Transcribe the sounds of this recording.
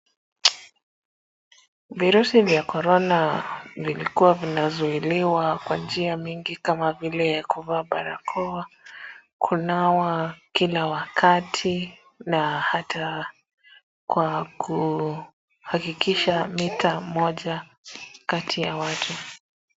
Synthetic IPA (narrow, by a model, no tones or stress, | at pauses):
viɾusivjakɔɾɔnavilikuwavinazuiliwakwand͡ʒiamiŋɡikamavilɛkuvaːɓaɾakʰɔa | kʰunawakilawakʰatʰi | nahatʰa | kwakʰu | hakikiʃamitʰamɔʄa | katʰijawatʰu